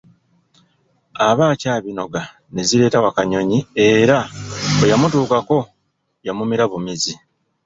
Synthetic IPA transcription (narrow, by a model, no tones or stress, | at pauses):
aβaːcaːβino̞ɡa | ne̞ziɾe̞ːtawakaɲo̞ɲie̞ɾaojamutuːkako̞ | jamumiɾaβumizi